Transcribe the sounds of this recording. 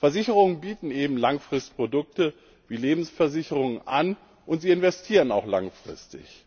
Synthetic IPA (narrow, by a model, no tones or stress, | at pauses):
fɛɐzɪçəʁʊŋənbiːtn̩ʔeːbm̩laŋfʁ̥ɪstpʁ̥odʊk̚tə | viːleːbm̩sfɛɐzɪçəʁʊŋənʔa̰n | ʔʊntz̥iːɪnvɛstʰiːʁənaʊxla̰ŋfʁ̥ɪ̰stɪ̰ç